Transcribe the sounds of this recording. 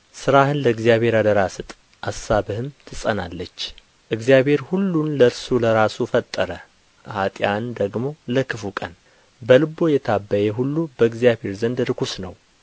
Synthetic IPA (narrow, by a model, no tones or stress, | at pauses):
sɨɾahɨnləɨɡzijaβhe̞ɾad̪əɾasɨt̪ʼ | ʔasːabɨhɨmt̪ʰɨsʼəna̰lːət͡ʃː | ʔɨɡzijaβhe̞ɾhulːunləɾsuləɾasufət̪ʼːəɾə | hat̪ʼjand̪əɡmo̞ləkʰɨfukʼə̰n | bəlɨbo̞jɛt̪ʰabːəjɛɦulːubəɨɡzijabhe̞ɾzənd̪ɾɨkʰusnəw